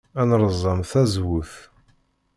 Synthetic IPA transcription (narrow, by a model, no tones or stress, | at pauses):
ænɾˤəzˤːɑmθæzwʊθ